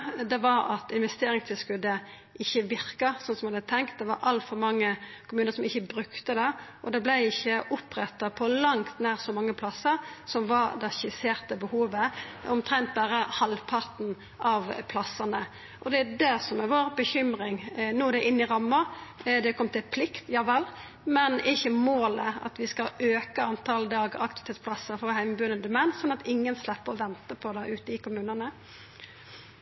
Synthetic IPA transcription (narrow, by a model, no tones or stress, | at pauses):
d̪ɛʋɑɾɑ̰t̪ɪnʋɛst̪eːɾɪŋst̪ʰɪlskʉd̪ə | ʔɪçːəʋɪʁkɑsɔnsɔmhɑd̪ət̪ʰɛŋk̚t̪̚d̪ɛʋɑɾʔɑlt̪fɔɾmɑŋːəkʰʊmʉːnəɾsɔmɪçːəbɾʉkt̪əd̪ɛʔɔd̪ɛblæɪɪçːəʔʊpʁɛt̪ːɑpʰɔlɑŋt̪næːʁsɔmɑŋːəpʰlɑsəɾsɔmʋɑɾd̪ɛʃɪseːɾt̪əbəhuːʋəɔmt̪ʰɾɛnt̪̚bæːɾəhɑlpʰɑʁt̪n̩ | ʔɑʋpʰlɑsːənə | ʔɔd̪ɛæd̪ɛsɔmɛʋoːɾbəçʏmɾɪŋnuːd̪ɛʔɪnːɪɾɑmːəɾd̪ɛkʰɔmːət̪ɪlpʰlɪkt̪jɑːʋɛl | mɛnɪçːəmoːləɑ̰t̪ʋɪskɑøːkəɑnt̪ʰɑld̪ɑːɡɑ̰kt̪ɪʋɪt̪ʰeːt̪spʰlɑsəɾfɑhæɪməbʉːd̪ənd̪əmæɪnsɔnːɑt̪ɪŋːənslɛpːəɔʋɛnt̪əpʰɔd̪ɛʔʉːt̪əɪkʊmʉːnənə